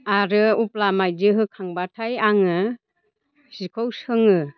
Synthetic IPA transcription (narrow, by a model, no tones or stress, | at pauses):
aɾɯuplamajdɯɦɯkʰaŋbatʰajaŋɯ | sikʰowsɯŋɯ